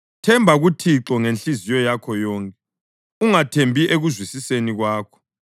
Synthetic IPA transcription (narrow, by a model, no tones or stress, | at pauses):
tʰɛmbʱaɣutʰiǁɔŋent͡ɬizijɔjakʰɔjɔːŋkʼɛ | uŋatʰembʱiʔeɣuzwisiseniɣwaːkʰɔ̥